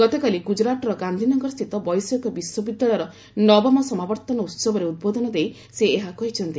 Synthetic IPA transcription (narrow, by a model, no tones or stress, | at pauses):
ɡ̥ɔt̪ekaliɡud͡ʒɾatɔɾɔɡand̪ʱinɔŋɡɔɾɔst̪ʰit̪ɔbɔjsɔkɔbiswɔbid̪ːaɭɔɾɔ | nɔbɔmɔsɔmabɔɾt̪ɔnɔut̪sɔbɔɾeud̪̚bod̪ʱɔnɔd̪ej | seːɦakɔɦit͡ʃʰɔnt̪i